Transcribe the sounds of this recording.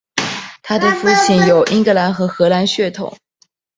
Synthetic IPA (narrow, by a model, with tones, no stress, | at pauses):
t̪ʰa˥d̪ə˨fu˥˩t͡ɕʰi˥˩njo˨˩ʊʔi˥ŋɡɤ˧˥la˧˥nxɤ˧˥xɤ˧˥la˧˥nɕɥɛ˥˩t̪ʰʊ̰˨˩˦ŋ